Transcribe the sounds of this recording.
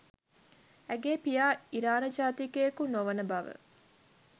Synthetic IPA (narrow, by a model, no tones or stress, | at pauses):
æɡeːpijaːiɾaːnɐd͡ʒaːt̪ikeːkunoʋənəbɐʋə̰